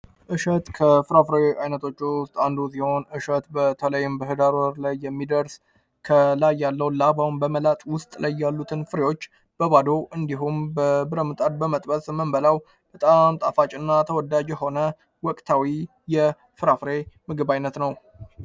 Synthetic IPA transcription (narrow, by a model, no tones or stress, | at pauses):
ʔɨʃət̪kʰəfɨɾafɾeajnət̪ʰo̞t͡ʃːʊst̪ʼand̪us̬iho̞nʔɨʃət̪bət̪ʰələjːɪmbəɦɨd̪aɾwəɾlajːɛmːid̪əɾs | kʰəlajːalːəwlabaumbəməlat̪ʼwʊst̪ʼlajːalːut̪ʰɨnfɨɾewo̞t͡ʃː | b̥əβad̪o̞ʔɨnd̪iɦumbəbɨɾəmɨt̪ʼad̪bəmət̪ʼbəsməmbəlaw | bət̪ʼamt̪ʼafat͡ʃʼɨnːat̪ʰəwɔd̪ad͡ʒjɛho̞nə | wɔkʼt̪ʰawi | jɛ | fɨɾafɾe̞mɨɡɨbajnːət̪nəw